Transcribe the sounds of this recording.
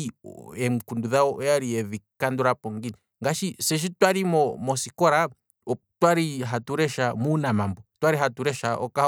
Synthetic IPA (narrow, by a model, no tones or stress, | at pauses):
ɛm̩kunduðaɔʔɔjaɾiɛðikanduɾapɔŋɡini | ŋɡaʃisɛʃ̬itwaɾimɔmɔsikɔɾa | twaɾiɦatuɾɛʃamuːnamambɔtwaɾiɦatuɾɛʃaʔɔ̰kah